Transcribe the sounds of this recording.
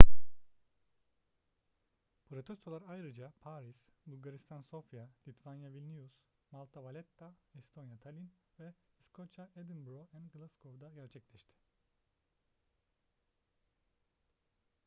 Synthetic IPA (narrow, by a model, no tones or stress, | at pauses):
pɾot̪ʰest̪olˠaɾajɾɯd͡ʒapʰaɾisbulˠɡaɾist̪ʰanso̞fjalʲit̪vanjavilʲnijus | malˠt̪ʰavalʲɛt̪ːaɛst̪ʰo̞njat̪ʰalʲinvɛiskʰot͡ʃʰaed̪inbɾoɛnɡlˠaskʰovd̪aɟæɾt͡ʃʰɛclʲɛʃt̪ʰɪ̥